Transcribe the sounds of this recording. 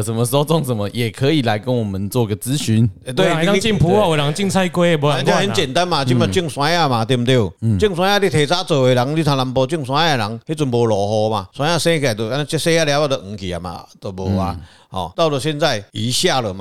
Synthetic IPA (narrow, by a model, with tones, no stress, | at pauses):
sə˨˦nmə˧so˦˧t͡sɔ˥˨ŋsə˨nmə˧˦je˨˩kʰə˨˦i˨˩la˨˧˦ɪkə˦nwɔ˨˩mə˨nt͡swɔ˥˧i˧ɡə˨t͡sɹ̩˦ɕy˧˦n˨˧t̪we˥˩˧a˧t͡ɕi˥˧ŋpʰu˨˦a˧˨we˨˩la˨˦ŋt͡ɕi˥˧ŋt͡sʰa˥˧ɪkwe˥˦˧bo˧˦a˧˦t̪ə˦nt͡ɕjɛ˨˩nt̪a˦nma˨t͡ɕi˧˦ma˨˧˩t͡ɕi˥˧˨ŋswã˧˦a˥˧ma˨t̪i˧˩mt̪je˥˧˩u˨t͡ɕi˥˧ŋs̬wã˧˦ja˥˧t̪i˧˩t̪ʰe˨˩t͡sa˦t͡sə˨˩we˨˩la˨˦ŋli˧˦t̪ʰã˨˧la˨˧˦mpɔ˧t͡ɕi˥˧˨ŋswã˧˦ja˨la˨˦ŋhe˦t͡swnbo˨˩lɔ˨˩ɦɔ˧ma˨swã˧˦ja˥˧sẽ˥˦˧ka˨˩t̪o˧a˧˦n˧t͡ɕse˥˦ja˥˧lja˧˦ba˧˩də˨ŋ̩˨˧˩ki˨a̰˨ma̰˨˩t̪ə˧˩bɔ˨˩a̰˨ | hɔ̰˨t̪a˥˩ʊt͡sə˨˩ɕjɛ˥˧nt͡sa˥˨ɪi˨˦ɕja˥˨lə˨ma˨